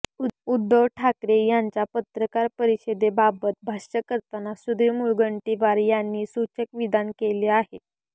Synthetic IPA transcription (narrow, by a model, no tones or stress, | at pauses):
ud̪ʱːəʋʈʰakɾejaɲt͡ɕapət̪ɾəkaɾpəɾiɕed̪ebabət̪̚bʱaɕəkəɾt̪anasud̪ʱimulɡəɳʈiʋaɾjanːiːsut͡ɕəkʋid̪ankeleaɦet̪